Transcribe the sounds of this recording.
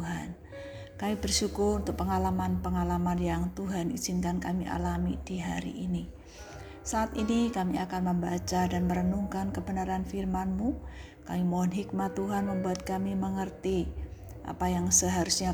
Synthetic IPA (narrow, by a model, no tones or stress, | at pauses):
uɦan | kamibərʃukʊɾunt̪ʊk̚pəŋalamanpəŋalamanjaŋt̪uɦaniz̥ɪnkankamiʔa̰lamidiɦaɾḭʔini | saʔːt̪inikamiakanməmbat͡ʃadanməɾənuŋkankəbənaɾanfirmanmu | kamimoɦɔnɦik̚mat̪ːuɦanməmbuat̪̚kamiməŋərt̪i | ʔa̰pajaŋsəɦaɾusɲa